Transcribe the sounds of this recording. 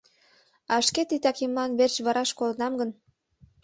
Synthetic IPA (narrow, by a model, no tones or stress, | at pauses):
ɑʃket̪it̪ɑkimlɑnβert͡ɕβɑɾɑʃkolənɑmɡən